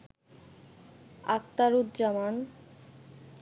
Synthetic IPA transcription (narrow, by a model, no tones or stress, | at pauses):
a̰k̚t̪aɾud̪d͡ʑaman